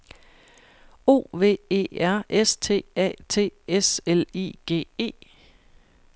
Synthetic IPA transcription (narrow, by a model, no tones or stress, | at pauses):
o̝̰ːʋe̝̰ːe̝̰ːæɐ̰ʔest͡sʰe̝̰ːɛ̰ːt͡sʰe̝̰ːeselḭːɡ̥e̝̰ːe̝̰ː